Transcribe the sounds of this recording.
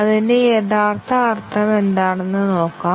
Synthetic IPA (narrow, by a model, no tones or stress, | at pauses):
ɐðindeeðaːrt̪ɐɐrt̪ʰːɐme̞nd̪aːɳenːɨno̞ːkːaː